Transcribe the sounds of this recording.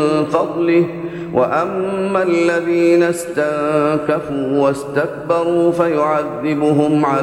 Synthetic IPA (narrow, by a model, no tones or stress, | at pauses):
fɑd̪ˤlɪ | wʔaʔamːalːaðiːnast̪aʕkafuːwast̪ak̚bɑɾˤuːfajʊʕaðːɪbʊɦʊmʕa